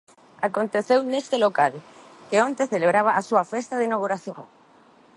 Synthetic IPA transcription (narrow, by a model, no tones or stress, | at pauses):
akont̪eθewnest̪elokal | keont̪eθeleβɾaβ̞aʔasuafest̪aðeinaɣuɾaθjo̰ŋ